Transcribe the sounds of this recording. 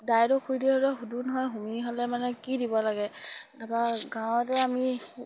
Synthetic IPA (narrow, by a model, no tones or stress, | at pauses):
dajdɔkʰujdiɦɔɾɔɦudunɦɔjɦumiɦɔlɛmanɛkidibɔlaɡɛdapaɡãw̃tɛami